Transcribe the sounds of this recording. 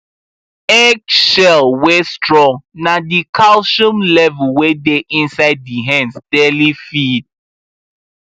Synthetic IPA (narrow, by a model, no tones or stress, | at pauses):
ɛkʃɛlwestɹɔ̃ŋnadikʰalʃũmlɛvlwedeʔĩnsaɪd̚ːiɦɛ̃nsd̥ɛlifid̚